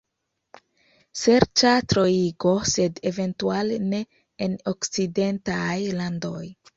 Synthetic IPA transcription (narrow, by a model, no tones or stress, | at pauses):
se̞ɾt͡ʃatɾo̞iɡo̞se̞deve̞ntualne̞ː | nokt͡side̞ntajlando̞j